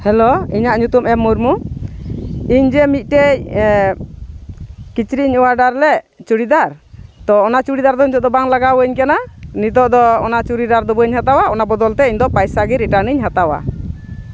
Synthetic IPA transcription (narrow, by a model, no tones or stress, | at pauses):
hɛloiɲaʔɲut̪umɛmːuɾmu | iɲd͡ʒɛmit̪̚ˀʈɛ | kit͡ʃɾiɲɔwaɖaɾlɛ | t͡ʃuɽid̪aɾ | t̪ɔːnat͡ʃuɽid̪aɾd̪ɔnit̪ɔʔd̪ɔbaŋlaɡawəɲkananit̪ɔʔd̪ɔɔ̰nat͡ʃuɾid̪aɾd̪ɔbɔɲhat̪awaɔnabɔd̪ɔlt̪ɛiɲd̪ɔpajsaɡiɾɛʈaniɲɦat̪awa̰